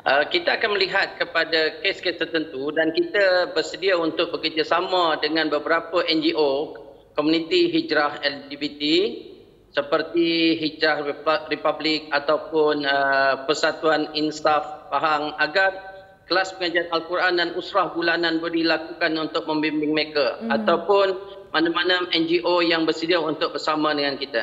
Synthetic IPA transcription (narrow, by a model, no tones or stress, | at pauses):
ʔəkit̪aːkanməliɦat̪̚kəpadakeskest̪ərt̪ənt̪udankit̪abərsədiaunt̪ʊk̚bəkərd͡ʒasamãdəŋãnbəbəɾapəʔɛnd͡ʒiʔo | komunĩt̪iɦid͡ʒɾahɛld͡ʒibit̪i | səpərt̪iɦid͡ʒɾahripablɪk̚at̪awpʊnəpərsat̪uaninst̪afpaɦaŋaɡar | kəlaspəŋad͡ʒaanalkuɾandanusɾahɡulanãnbəlilakukanunt̪ʊk̚mə̃mbimbɪŋməɾekaat̪awpʊn | manamanəɛnd͡ʒiʔojaŋbərsədiaunt̪ʊk̚bərsamãdəŋankit̪ə̰